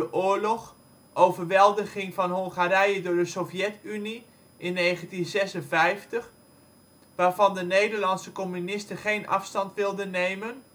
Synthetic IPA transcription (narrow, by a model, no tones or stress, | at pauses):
əʔoːɹlɔχ | ʔowvərʋɛlˠdəɣɪŋvɑnɦɔŋˠχaɾɛjədʊːɹdəsovjɛtyni | ʔɪnːejχəntinzɛsənvɛjftəχ | ʋaːɹvɑndənejdəɹlɑnsəkomynɪstəχejnʔɑ̰fstɑntʋɪlˠdənːejmən